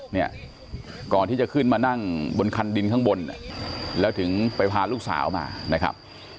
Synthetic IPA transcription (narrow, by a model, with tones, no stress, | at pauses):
ni˥˩ɐ | kɔː˨˩nt̪ʰiː˥˩t͡ɕa˨˩kʰɯ˥˩nmaː˧na˥˩ŋbo˧nkʰa˧ndi˧nkʰa˦˥˩ŋbo˧nːa̰˧˩lɛː˦˥wt̪ʰɯ˩˦ŋpa˧jpʰaː˧luː˥˩k̚sa̰ː˩˦wma̰ː˧na˦˥kʰa̰˦˥p̚